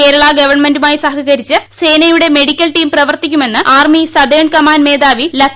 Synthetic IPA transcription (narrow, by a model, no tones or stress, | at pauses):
e̞ːɾɐɭɐɡɐʋɐrɳmendumaːjisɐɦɐɣɐɾit͡ɕːɨse̞ːnɐjuɽe̞me̞ɽikʲːɐlʈiːmprɐʋɐrt̪ikʲːume̞nːɨaːrmisɐd̪eːɳkɐmaːnme̞ːd̪aːʋilɐ